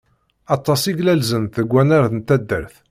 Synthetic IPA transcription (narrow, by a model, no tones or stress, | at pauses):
ɑt̪ˤːɑsiɡlælzənt̪əɡʷːænæɾθənt̪æd̪ːə̰ɾθ